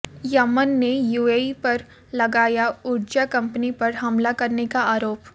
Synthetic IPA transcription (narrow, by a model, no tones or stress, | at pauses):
jɐmənːejuːeipɐɾ | lɐɡaːjaʊɾd͡ʒakɐ̃mpnipɐɾɦɐmlakɐɾnekaaːɾoːp